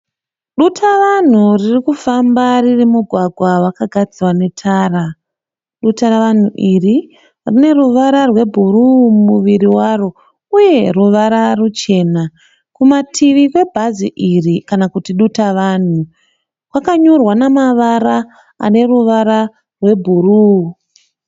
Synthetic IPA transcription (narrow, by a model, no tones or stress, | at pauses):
ɗutʰaʋan̤uririkufambaririmuɡʱwaɡʱwawakaɡʱad͡ziwane̞tʰaːra | ɗutaraʋan̤uʔiri | rine̞ruʋaɾarwe̞bʱurumuʋiɾiwaro̞ | uje̞ruʋaɾarut͡ʃe̞ːna | kumatʰiʋikwe̞bʱaziʔirikanakutiɗutaʋaːn̤u | kwakaɲorwanamaʋara | a̰ne̞ruʋaɾa | rwe̞bʱuru